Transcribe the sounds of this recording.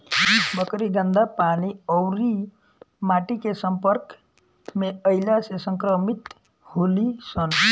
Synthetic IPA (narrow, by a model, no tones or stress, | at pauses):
ibəkɾiɡ̪ənd̪apaniɔwɾi | maʈikesəmpəɾk | meəɪlasesəŋkɾəmit̪ | holisən